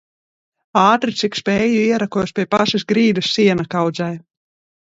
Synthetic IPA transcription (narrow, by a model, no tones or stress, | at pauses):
ɑːt̪ɾit̪sikspɛjuiɛɾakɔjspʲiɛpaʃisɡɾiːd̪ɨsːiɛnakawd̪zaj